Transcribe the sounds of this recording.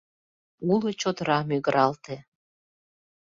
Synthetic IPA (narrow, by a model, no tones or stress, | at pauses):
ulot͡ɕot̪ɾɑmyɣɾʔɑlt̪e